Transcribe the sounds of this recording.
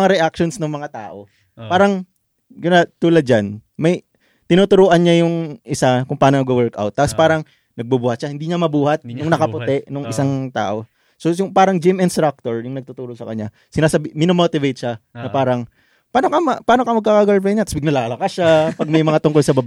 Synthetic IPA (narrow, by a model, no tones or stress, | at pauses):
ŋaɾɛʔakʃonsnoŋmɐŋat̪a̰ːʔo̞ | paːɾɐŋ | ɡʊnat̪uːlɐd̪̚d͡ʒanmɐj | t̪ɪnuːt̪ʊɾoːʔɐnɲajʊŋʔɪsakʊŋpaːnonɐɡowɛɹka̰wt̪̚ːaːpospaːɾɐŋ | nɐɡ̚bubuːhɐt̪ʃahɪnd̪iːɲamɐbuːhɐt̪̚nʊŋnɐkɐpʊt̪ɛʔnoŋʔɪsaŋt̪a̰ːʔo̞ | sojʊŋpaːɾɐŋd͡ʒɪmɪnst̪ɾak̚t̪oɹjʊŋnɐɡ̚t̪ʊt̪uːɾosɐkɐ̰ɲa | sɪnaːsɐbimɪnomot̪ɪvejt̪̚ʃanɐpaːɾɐŋ | paːno̞kɐmɐpaːnokɐmɐɡkaːkaɡaɹpɛɲat̪ɐsbɪɡnɐlaːlɐkaʃapɐɡ̚mɐjmɐŋat̪ʊŋkolsɐbɐb